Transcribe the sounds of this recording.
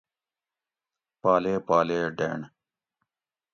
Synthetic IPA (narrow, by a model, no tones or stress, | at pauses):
paːleːpaːleːɖḛːɳ